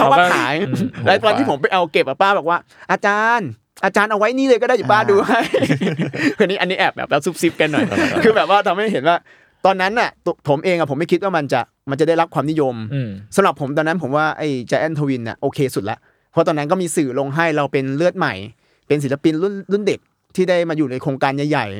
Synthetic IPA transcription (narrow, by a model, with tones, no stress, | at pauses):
a˦˨˦aa˥˩aː˩˦jɾaː˦t̪ɔ˧nʰiː˥˩pʰo˩˦mpa˧jʔa˧wke˨˩p̚ʔa˨˩paː˥˩bɛː˨˩k̚waː˥˩ | ʔaː˧t͡ɕaː˧n | ʔaː˧t͡ɕaː˧nʔa˧wa˦˥jniː˥˩lɤː˧kɔ˥˩daː˥˩jpaː˥˩duː˧ɦa˥˩j | kʰɯ˧niː˦˥ʔa˧nːi˦˥ʔɛː˨˩p̚bɛ̰ː˨˩p̚lɛː˦˥wsu˦˥p̚si˦˥p̚ka˧nːɔ˨˩jjkʰɯː˧bɛː˨˩p̚waː˥˩t̪ʰa˧mha˥˩jɦe˩˦nwaː˥˩ | t̪ɔː˧nːa˦˥nʔa˨˩˧pʰo˩˦mʔeː˧ŋʔa˨˩pʰo˩˦ma˥˩jʰkʰi˦˥t̪̚waː˥˩ma˧nt͡ɕa˨˩ʔ | ma˧nt͡ɕa˨˩da˥˩ɾa˦˥p̚kʰwaː˧mni˦˥jo˧msa˧mɾa˨˩pʰːo˩˦mt̪ɔː˧nːa˦˥npʰo˩˦mwaː˥˩ʔa˥˩jt͡ɕa˧˥ʔɛ˥˩nt̪ʰa˧wi˧nːi˨˩ʔoː˧kʰeː˧su˨˩la̰˦˥ʔ | pʰt̪ɔː˧nːa˦˥nkɔ˥˩miː˧sɯː˨˩lo˧ŋɦa˥˩jɾa˧wpe˧nlɯ˥˩ət̪̚ma˨˩j | pe˧ns̬i˩˦la˧pi˧nlu˥˩nlu˥˩nde˨˩p̚ | t̪ʰiː˥˩daː˥˩jmaː˧juː˨˩na˧jkʰɾoː˧ŋkaː˧nja˨˩jːa˨˩j